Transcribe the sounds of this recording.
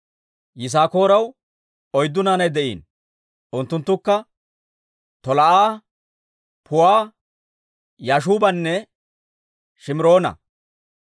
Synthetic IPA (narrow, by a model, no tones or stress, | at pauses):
jɪs̬aːko̞ːɾɐw | ɔjd̪ːʊnaːnɐjd̪ɛʔḭːn | ʔʊnt̪ːʊnt̪ːʊkːɐ | t̪ɔlɐʔaː | pʰʊwaː | jaːʃ̬uːbɐnːɛ | ʃɪmɾo̞ːnɐ̰